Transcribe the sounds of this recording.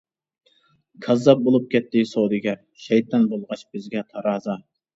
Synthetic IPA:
kʰɑzːɑp̚bolˠup̚kʲɛt̪ːɪsowd̪ɨɡʲɛ | ʃɛjt̪ʰɑnbolˠʁɑt͡ʃb̥ɪzɡʲɛt̪ʰɑɾɑːzɑ

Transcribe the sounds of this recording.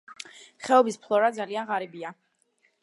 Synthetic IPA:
χɛɔbispʰlˠɔɾad̪zalianʁaɾibia

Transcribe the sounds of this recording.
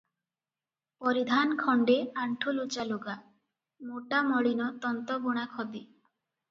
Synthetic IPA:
pɔɾid̪ʱankʰɔɳɖeaɳʈʰolot͡ʃaloɡa | moʈamɔɽinɔt̪ɔnt̪ɔboɽ̃akʰɔbi

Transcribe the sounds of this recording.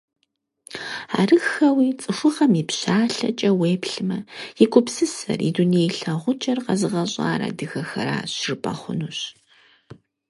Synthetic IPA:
a̰ːrɨxɐwiːt͡sʼɨʂʷʊʁɐmipɕaːɬɐ̰t͡ʃʼɐweːpɬɨmɐjɪkʷʼʊpsɨsɐ̰rḭdunijejɬɐʁʷʊt͡ʃʼɐrqɐzɨʁɐɕʼa̰ːɾɐ̰dɨɣɐxɐ̰ɾa̰ːɕrpʼɐχʷʊ̰nuːɕ

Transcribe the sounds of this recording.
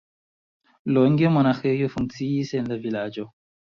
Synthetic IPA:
lɔŋɡemanaxejofuŋt͡sijisɛnlavilad͡ʒɔ

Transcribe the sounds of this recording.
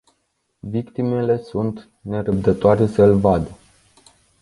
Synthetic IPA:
vikt̪ime̞le̞sunt̪ | ne̞ɾəb̚d̪ət̪oaɾe̞səɨlvad̪ə

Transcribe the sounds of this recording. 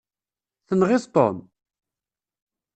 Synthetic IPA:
θənʁɪst̪ˤo̰m

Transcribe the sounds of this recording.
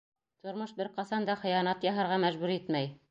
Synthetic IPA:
t̪ŏɾmoʃbɘɾqɑsɑnd̪ɑχɤ̆jɑnɑt̪jɑɦɤ̆ɾʁɑmæʒbʉɾit̪mæj

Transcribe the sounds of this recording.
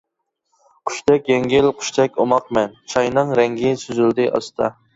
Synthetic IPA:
qʰʊ̥ʃt̪ʰɛkʲjɛŋɡʲɪlqʰʊ̥ʃt̪ʰɛkʲomɑq̚mɛnt͡ʃʰɑjnɨŋɾɛŋɡʲɪsyzyld̪ɪʔɑ̰st̪ʰɑ

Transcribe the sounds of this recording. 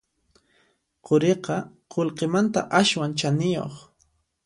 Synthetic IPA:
qoɾeqɑ | qolqemant̪a̰ʔaʃwant͡ʃanɪjo̰χ

